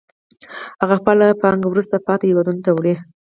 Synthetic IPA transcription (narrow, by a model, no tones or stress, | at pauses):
haɣaxpəlapɑŋɡwɾust̪apɑt̪ejawɑd̪unt̪awɽi